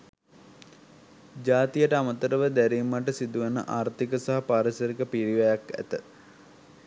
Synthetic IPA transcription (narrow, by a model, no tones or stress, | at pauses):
d͡ʒaːt̪ijəʈəamət̪əɾəʋəd̪æɾimːaʈəsid̪uʋənə̰ʔaːɾt̪ikəsaɦapaːɾisɐɾikəpiɾiʋɐjakæ̰t̪ə